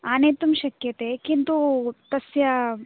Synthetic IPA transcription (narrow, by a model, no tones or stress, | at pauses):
aːneːt̪umʃɐkjɐt̪ekint̪ut̪ɐsjɐ